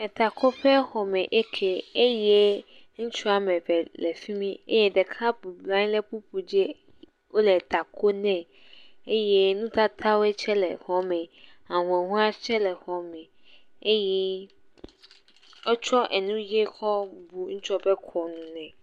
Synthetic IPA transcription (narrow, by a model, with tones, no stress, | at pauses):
ɛ˨t̪a˨kʰɔ˦ɸɛ˦xɔ˨mɛ̃˨ʔe˦kʰe˨e˦je˦ | ŋ̩̃˦t͡ʃɔ˦a˨mɛ̃˨ɸɛ˨lɛ˨fi˦mĩ˦ḛ˦je˦dɛ˨kʰa˦bu˨blã˦ɲ˦le˦pu˦pu˨d͡ʑe˦ | wo˦lɛ˨t̪a˨kʰo˦nɛ̃˨ | e˦je˦nũ˦t̪a˦t̪ʰa˦we˦t͡ʃʰɛ˦lɛ̰˨xɔ˦mɛ̃˨a˨w̃ɛ˨ɦũ˦a˦t͡ʃɛ˦lɛ˨xɔ˨mɛ̃˨ | e˦jɛ˦ | ɔ˦t͡ʃɔ˦ʔɛ˨nũ˦je˦xɔ˦bu˨ŋ̩̃˦t͡ʃɔ˦bɛ˦kʰɔ˨nũ˨nɛ̃˨